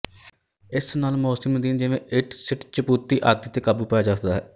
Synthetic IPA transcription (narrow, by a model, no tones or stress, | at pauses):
ɪsnaːlmoːsimd̪iːnd͡ʒɪʋẽːʔɪʈsɪʈt͡ʃəpuːt̪ːiːʔaːd̪iːt̪eːkəbuːpɛjaːd͡ʒaːt̪d̪aːɦɛː